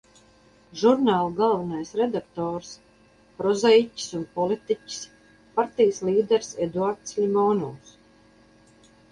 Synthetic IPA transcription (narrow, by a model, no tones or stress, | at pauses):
ʒuɾnaːlˠuɡalˠvanajsɾɛd̪ak̚t̪ɔːɾs | pɾɔzɛjcʲi̥sunpɔlit̪icʲi̥s | paɾt̪ijsliːd̪ɛɾsed̪uaɾt̪slʲimɔːnuːs